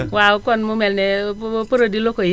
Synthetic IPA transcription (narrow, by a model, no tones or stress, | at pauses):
wakɔnmumɛlnɛpəɾodilokoj